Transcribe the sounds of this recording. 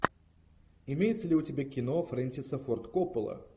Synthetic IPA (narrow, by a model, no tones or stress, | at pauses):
ɪmʲejɪt̪səlʲɪʊtʲɪbʲekʲɪnofɾɛnʲsʲɪsəfort̪kopəlˠə̰